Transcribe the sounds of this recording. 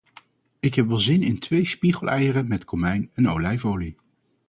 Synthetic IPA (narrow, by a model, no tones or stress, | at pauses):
ɪkɦɛpʋɛlˠzɪnɪntʰʋejspiχəlˠɛjərəmɛtkʰomɛjnɛnowlɛjvowli